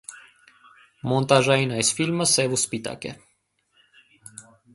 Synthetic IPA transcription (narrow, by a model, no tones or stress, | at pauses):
mɔnt̪ɑʒɑinɑjsfilməsɛvuspit̪ɑ̰kɛ̰